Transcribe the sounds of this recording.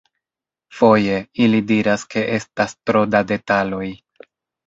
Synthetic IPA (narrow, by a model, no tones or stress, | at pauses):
fo̞je̞ilidiɾaske̞ʔe̞stastɾo̞dade̞talo̞j